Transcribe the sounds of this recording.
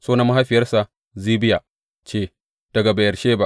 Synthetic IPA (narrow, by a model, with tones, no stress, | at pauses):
soː˦na˦mːa˦ɦa˦ɸɪ˨jɐ˦rsa˨ | ziː˦bɪ˦ja˨ | t͡ʃeː˦˨ | d̥ɐ˨ɡa˨bɐ˨jɐ˨rʃeː˦ba˦˨ʔ